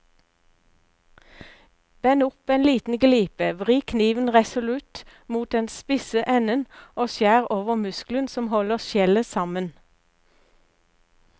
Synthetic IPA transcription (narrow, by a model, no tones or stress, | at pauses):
b̥ɛnʊpeːnliːt̪n̩ɡliːpəʋʁiːkʰniːʋənʁɛsʊlʉt̪muːt̪eːnspɪsəʔɛnənʔoːsjæːʁoːʋəʁmʉsklənsɔmhɔləʁʃjɛləsɑmən